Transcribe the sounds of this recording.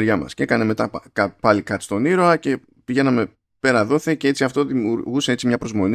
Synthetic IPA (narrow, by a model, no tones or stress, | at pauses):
ɾʝɐmɐ̰sce̞kɐne̞me̞t̪ɐkɐpɐlikɐt̪i̥st̪o̞niɾoɐce̞ | piʝe̞nɐme̞ | pe̞ɾɐðo̞θeceet͡siɐft̪o̞ðimuɾɣuse̞et͡simɲɐpɾo̞zmo̞n